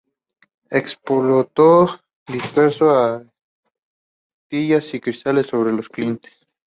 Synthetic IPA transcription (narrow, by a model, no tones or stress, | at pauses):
ekspolot̪o | d̪ispeɾsoa | t̪iʝasikɾist̪alesːo̞βɾe̞losklint̪e̥s